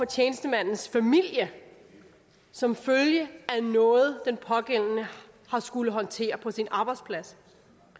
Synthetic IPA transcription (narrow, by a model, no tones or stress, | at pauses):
fɒ̽t͡ɕʰeːnəsd̥əmæn̰n̩sfæmil̰jə | sɒ̽mføljəænɔ̽ːð̞̩ˠd̥enpʰɒ̽ɡ̥en̰nə | hɑ̈sɡ̥uləɦɒ̽nt͡sʰe̝̰ːɐpʰɒ̽sinɑ̈ːb̥ɑ̈ɪd̥spʰlæs